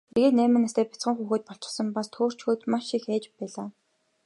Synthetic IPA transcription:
t̪ʰeɣeːt̪næːmɘ̆nast̪eːpʲḁt͡sχə̆ŋxuːxeːt̪̚pɔɬt͡ɕɪ̥̆sə̆mpast̪ʰoːr̥t͡ɕxuːt̪maʃixæːt͡ɕpæːɮaː

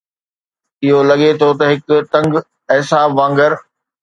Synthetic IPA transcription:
ɪɦolɐɠet̪ʰot̪ɐɦɪkt̪ɐ̃ŋɡ | ɐɦɪsaːbʋãːŋɡəɾ

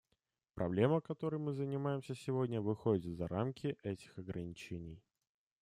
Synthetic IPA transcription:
pɾʔɐ̰blʲe̞məkɐt̪o̞ɾɨjmɨzənʲɪmajɪmsʲəsʲɪvo̞dʲnʲəvɨxo̞dʲɪt̪vzɐɾa̰mkʲɪʔɛtʲɪ̥xɐɡɾənʲɪt͡ɕenʲɪj

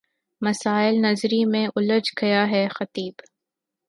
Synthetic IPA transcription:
mɐsaːɪlnɐzɾimẽʔʊləd͡ʒkʰɐjaɦɛxɐt̪iːb

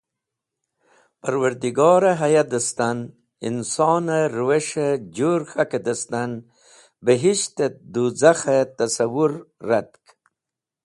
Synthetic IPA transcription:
paɾwaɾd̪iɡɑːɾaɦajad̪əst̪an | ḭnsɑːnaɾweʃed͡ʒoɾxaked̪ast̪an | bəɦiʃt̪ed̪uzaxat̪asawuɾːat̪k

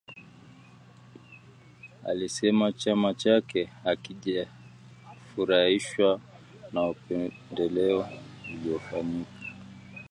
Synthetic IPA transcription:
a̰lisɛmat͡ʃamat͡ʃakɛakiʄa | fuɾahiʃwa | naupɛ | ndɛlɛɔuliɔfaɲikḁ

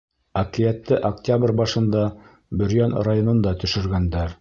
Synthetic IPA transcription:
ɐkijæt̪ːɘʔɐktʲabrʲbɑʃɤ̆nd̪ɑ | bɵ̆ɾjænrajonŏnd̪ɑt̪ɵ̆ʃɵ̆ɾɡænd̪æɾ

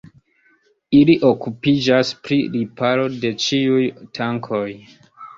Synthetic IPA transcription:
iliʔo̞kupid͡ʒaspɾiɾipalo̞de̞t͡ʃiujtʰaŋkʰo̞j

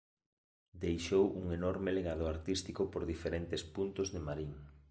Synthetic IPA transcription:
d̪ejʃowʔuŋenɔɾmɪleɣað̞ʊaɾt̪ist̪ikopoɾðifeɾent̪ɪspunt̪ʊzðemaɾiŋ

